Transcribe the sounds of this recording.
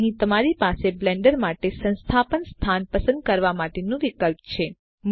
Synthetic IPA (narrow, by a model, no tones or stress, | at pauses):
ɦĩt̪əmaɾipaseblɛɳɖəɾmaʈesə̃nst̪ʰapənst̪ʰanpəsə̃nd̪̚kəɾʋamaʈenũʋikəlp̚t͡ʃʰe | m